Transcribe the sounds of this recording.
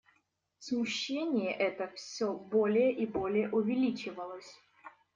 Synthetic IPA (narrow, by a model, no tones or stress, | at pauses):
smʊɕːenʲɪjəʔɛt̪əfsʲobolʲɪjəʔibo̞lʲɪjəʔʊvʲɪlʲit͡ɕɪvəlˠəsʲ